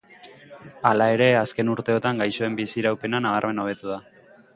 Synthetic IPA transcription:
alae̞ɾe̞aske̞nuɾt̪e̞o̞t̪aŋɡajso̞e̞mbisiɾawpe̞nanaβ̞aɾme̞no̞β̞e̞t̪uð̞a

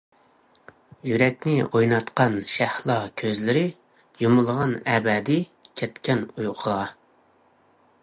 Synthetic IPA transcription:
jyɾɛkʲnɪojnɑt̪qɑnʃæhlˠɑkʲʰøzlɪɾɪ | jomʊlˠʁɑnɛbɛd̪ɪkʲʰɛt̪kʲɛnujʁʰəʁɑ

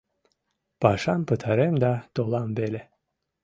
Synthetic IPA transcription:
b̥aʃampʰɯt̪ʰaɾɯmd̪ad̪̥olˠambelʲɛ

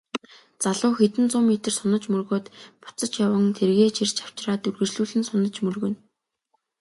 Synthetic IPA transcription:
t͡saɮʊːxet̪ɘ̆nt͡sʊːmeːt̪ɘ̆rsɔnə̆t͡ɕmɵrɣoːt̪pʊ̥t͡sə̆t͡ɕjawə̆ŋt̪ʰerɣeːt͡ɕʰir̥t͡ɕaw̥t͡ɕraːt̪ɵrɣɘ̆t͡ɕɮuːɮɘ̆nsʊnə̆t͡ɕmɵrɣɵ̆n

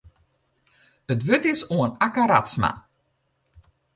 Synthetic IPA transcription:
ətʋøtɪsuənakaɾa̰tsma̰

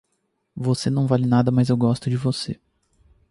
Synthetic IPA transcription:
vosenɐ̃w̃valɪnad̪ɐmɐzewɡɔst̪ʊd͡ʒɪvose

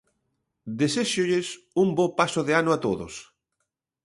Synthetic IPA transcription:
d̪eseʃoʎes | umbopasʊðeanʊat̪oðʊ̰s

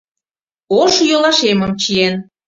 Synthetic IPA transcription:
oʃjolɑʃeməmt͡ɕien

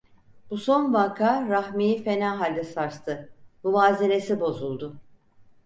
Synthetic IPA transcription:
buso̞nvakʰaːɾahmijfe̞naːɦalʲd̪ɛsaɾst̪ʰɯmuvaːziɾesibo̞zulˠd̪ʊ

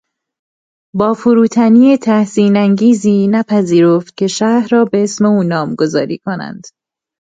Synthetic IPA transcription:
bɒːfuɾuːt̪ʰæniːet̪ʰæhsiːnæŋɟiːziːnæpʰæziːɾoft̪̚cʲʰe̞ʃæhɾɒːbe̞esme̞uːnɒːmɡo̞zɒ̰ːɾḭːkʰonæ̰nd̪̥

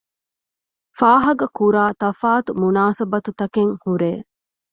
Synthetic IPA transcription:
faːɦɐɡɐkuɾaːt̪ɐfaːt̪umunaːsɐbɐt̪ut̪ɐkeŋhuɾeː

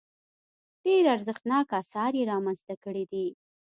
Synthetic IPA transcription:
ɖ̥eɾaɾzəxt̪nɑkɑsɑɾjeɾɑmanzt̪akəɽid̪i

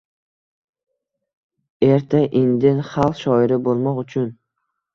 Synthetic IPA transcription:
e̞ɾt̪ʰaʔɪnd̪ɪnχɑlˠfʃɒɪɾɪbolˠmɒqʊt͡ʃʰʊn

